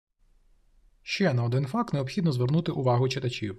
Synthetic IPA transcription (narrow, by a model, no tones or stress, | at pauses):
ʃt͡ʃɛnɐɔd̪ɪnfɑk̚t̪neɔpxʲid̪nɔzʋernut̪ɪʔʊʋɑɦʊt͡ʃɪt̪ɐt͡ʃʲiw